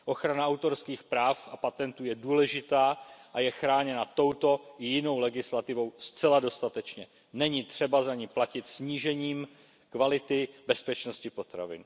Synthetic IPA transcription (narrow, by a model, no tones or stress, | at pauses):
ʔo̞xɾanaawt̪o̞ɾskiːxpɾaːfapat̪ɛnt̪uːjɛduːlɛʒɪt̪aːʔajɛxɾaːɲɛnat̪o̞wt̪o̞ʔɪjɪno̞wlɛɡɪslat̪ɪvo̞wst͡sɛlado̞st̪at̪ɛt͡ʃɲɛ | nɛɲɪt̪r̝̥ɛbazaɲɪplacɪt̪sɲiːʒɛɲiːm | kvalɪt̪ɪbɛspɛt͡ʃno̞scɪpo̞t̪ɾa̰vɪ̰n